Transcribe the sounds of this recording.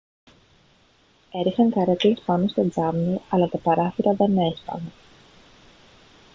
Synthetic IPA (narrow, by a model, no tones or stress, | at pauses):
e̞ɾixɐŋkɐɾɐt̪lespɐno̞st̪od͡zɐmniɐlɐt̪ɐpɐɾɐfiɾɐðe̞ne̞spɐ̰ne